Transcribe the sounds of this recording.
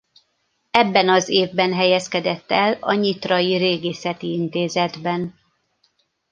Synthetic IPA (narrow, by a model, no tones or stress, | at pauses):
ɛbːɛnɒzeːvbɛnɦɛjɛskɛd̪ɛt̪ːɛlɒ̰ɲit̪rɒjiɾeːɡeːsɛt̪iint̪eːzɛd̪bɛn